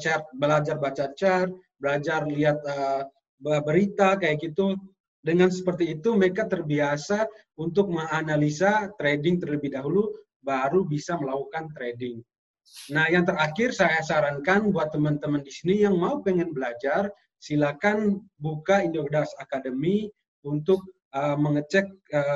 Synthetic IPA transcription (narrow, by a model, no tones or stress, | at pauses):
t͡ʃarbəlad͡ʒarbat͡ʃat͡ʃar | bəlad͡ʒarliat̪̚ə | bəbəɾit̪akajakit̪u | dəŋansə̥pərt̪iːt̪uməkaʔt̪ərbiasa | unt̪ʊk̚məŋanalisat̪ɾedɪŋt̪ərləbɪhdaɦulu | baɾubisaməlakukant̪ɾedɪŋ | nahjaŋt̪ərakɪrsajasaɾaŋkanbuat̪ːəmant̪əməndisinijaŋmaupəŋɛnbəlad͡ʒar | silakanbukaindokdasakadəmi | unt̪ʊk̚ | əməŋət͡ʃɛk̚ə